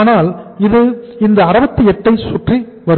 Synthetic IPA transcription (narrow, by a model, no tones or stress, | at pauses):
naːlɪðɯɪnd̪ɐɐɾɐbɐt̪ːɯɛʈːɐɪsʊʈri | ʋɐɾ